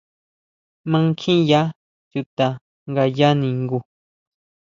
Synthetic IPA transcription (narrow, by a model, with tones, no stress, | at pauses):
mã˦ŋ˦kʰĩ˦ja˦ | t͡ʃu˧t̪a˧ | ŋɡa˧ja˦nĩ˨ŋɡu˧